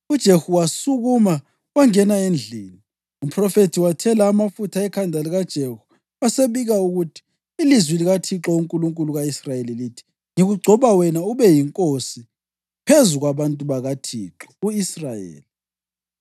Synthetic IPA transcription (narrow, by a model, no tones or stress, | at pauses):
ud̥ʒ̥ʱehuwasuɣuma | waŋɛnaend͡ɮʱiːni | um̩pʰʼrɔfetʰiwatʰɛlaːmafutʰaɛkʰandʱaliɣad̥ʒ̥ʱehu̥ | aseβiɣauɣutʰi̥ː | lizwiliɣatʰiǁɔuŋkʼuluŋkʼuluɣaisrajelilitʰi̥ | ŋiɣuɡ͡ǀʱɔβawɛnauβɛjiŋkʼosi | pʰezuɣwaβantʼuβaɣatʰiǁɔ̥uisrajḛːli